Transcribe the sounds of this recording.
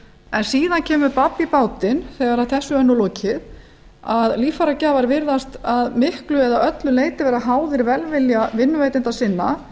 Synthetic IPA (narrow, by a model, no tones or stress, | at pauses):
ɛnsiːðancʰɛːmʏpapːipaːwt̪ɪnθɛːɣaɾaðθɛhsʏœnːʏloːcʰɪð | aðliːfaɾacaːvaɾvɪɾðast̪aðmɪhklʏɛðaʔœt̪lʏleːjt̪ɪvɛːɾaɦaːwðɪɾvɛlvɪljavɪnːʏveːjt̪ɪnt̪asɪnːa